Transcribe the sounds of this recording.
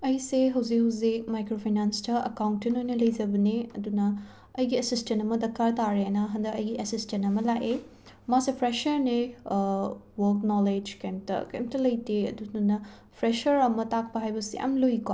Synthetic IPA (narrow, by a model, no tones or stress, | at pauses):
ɐjseɦɐwzik̚ɦɐwzik̚majkɾopʰajnanstʰɐɐ̰kawntːenojnɐlɐjzɐbɐneɐ̰dunɐː | jɡiɐsistentɐmɐdɐkaɾtaɾenɐɦɐndɐkɐjɡiʔɐsistentɐmɐlaʔe | masepʰɾeʃɐɾne | wɐɾknɔled͡ʒkajmtɐ̰kḛjmtɐlɐjteɐ̰dunɐ | pʰɾeʃɐɾɐmɐtak̚pɐɦajbɐsḭjʔa̰mlojka̰